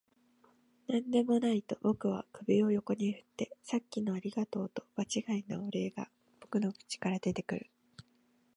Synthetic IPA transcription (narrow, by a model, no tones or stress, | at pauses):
nãnd̪e̞mo̞nait̪o̞bo̞kɯ̟β̞a̰kɯ̟bʲio̞jo̞ko̞ɲ̟ihɯ̟t̪ːe̞sakʲːino̞aɾʲiɡat̪o̞ːt̪o̞̥b̥at͡ɕiɡaino̞̰ːɾe̞ːɡa̰ | b̥o̞kɯ̟no̞kɯ̥t͡ɕi̥kaɾad̪e̞t̪e̞kɯ̟ɾɯ̟